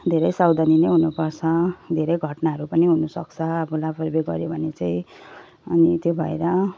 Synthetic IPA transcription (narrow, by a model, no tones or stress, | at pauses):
d̪ʱeɾʌjsawd̪anineɦunupʌrt͡sʰʌd̪ʱeɾʌjɡʱʌʈnaɦʌɾupʌniɦunusʌkt͡sʰʌːbulapʌrbeɡʌ̰ɾjobʱʌnet͡saĩ | ʌnit̪jobʱʌḛɾʌ